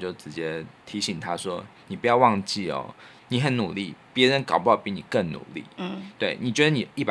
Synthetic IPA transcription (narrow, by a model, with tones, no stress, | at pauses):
t͡ɕjo˥˩ʊʈ͡ʂɻ̩˧˥t͡ɕjɛ˥t̪ʰi˧˥ɕi˨˩ŋt̪ʰa˦swɔ˥ni˨˩pu˨˩jɑ˥˧ʊwɑ˥˧ŋt͡ɕi˥˩ɔ̰˦ni˨˦xə˨˩nu˨˩li˥˩pjɛ˧˥ɻə˧˦nkɑ˨˩pu˧˦jɑ˥˧˩pi˧˥˦ni˨˩kə˥˩nnṵ˨˩˦lḭ˥˩t̪we˥˩ɪni˨˩t͡ɕɥɛ˧˥d̪ə˧ni˨˩i˥˩pa˨